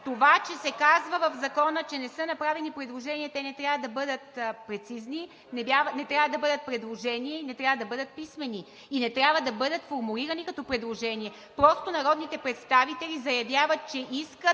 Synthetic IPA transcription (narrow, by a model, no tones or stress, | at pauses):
t̪ovat͡ʃɛsɛkazvəvəvzɐkɔnət͡ʃɛnɛsɤnɐpɾavɛnipɾɛd̪lˠoʒɛniɛt̪ɛnɛt̪ɾʲjavəd̪ɐbɤd̪ət̪̚pɾɛt̪sizni | nɛbjavnɛt̪ɾʲavəd̪ɐbɤd̪ət̪̚pɾɛd̪lˠoʒɛniɛinɛt̪ɾʲavəd̪ɐbɤd̪ət̪̚pismɛni | inɛt̪ɾʲavəd̪ɐbɤd̪ət̪foɾmuliɾɐnikɐt̪ɔpɾɛd̪lˠoʒɛniɛ | pɾɔst̪onɐɾɔd̪nit̪ɛpɾɛt̪st̪avit̪ɛlʲizɐjɐvʲjavət̪̚t͡ʃɛʔiskət̪̚